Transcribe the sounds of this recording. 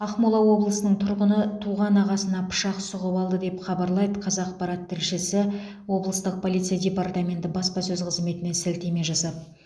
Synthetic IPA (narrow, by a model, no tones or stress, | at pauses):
ɑχmulˠɑwo̞blˠəsənəɴt̪ʰʊɾʁənət̪ʰuʁɑnɑʁɑsənɑpʰʊ̥ʃɑqsʊʁəbɑlˠd̪əd̪e̞pχɑbɑɾlˠɑjd̪əqʰɑzɑqpɑɾɑt̪ʰːɪɾʃɪsɪ | wo̞blˠəst̪əq̚pʰo̞lˠijt̪sijadʲe̞part̪amʲe̞nt̪ɪbɑspɑsɵzqʰəzme̞t̪ɪne̞sɪlt̪eme̞ʒɑsɑd̪ə